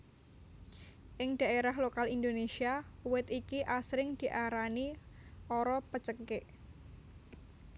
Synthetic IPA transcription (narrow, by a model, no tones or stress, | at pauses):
ʔɪŋd̥ä̤eɾaɦlokalind̪onesiawɪt̪ikiʔasɾɪŋd̪̥i̤ʔaɾaniʔɔɾɔpət͡ʃəkɪʔ